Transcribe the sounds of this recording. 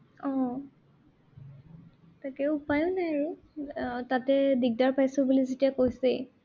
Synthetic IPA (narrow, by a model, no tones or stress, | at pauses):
ɔ̃ | takɛupajʊ̃naɹu | tatɛdiɡ̚daɹpajsɔbulizetijakojsɛ̰